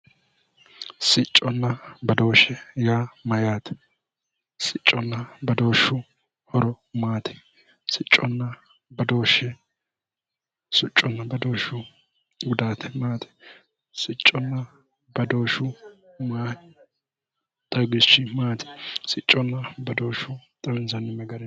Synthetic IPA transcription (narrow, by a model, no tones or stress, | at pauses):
sɪt͡ʃʼːɔnːɐbɐd̪o̞ːʃɛjaːmɐjaːt̪ɛ̥ | sɪt͡ʃʼːɔnːɐbɐd̪o̞ːʃːʊ | hɔɾɔ | maːt̪ʰɛ̥ | sɪt͡ʃʼːɔnːɐ | bɐd̪oːʃɛ | sʊt͡ʃʼːɔnːɐbɐd̪o̞ːʃʊ | ɡʊd̪aːt̪ʰɛ̥maːt̪ɛ̥ | sɪt͡ʃʼːɔnːɐ | bɐd̪o̞ːʃʊ | maː | t̪ʼɐɡɪʃɪmaːt̪ɛ̥sɪt͡ʃʼːɔnːɐbɐd̪o̞ːʃːʊt̪ʼɐwɪnzɐnːɪmɐɡɐɾɛ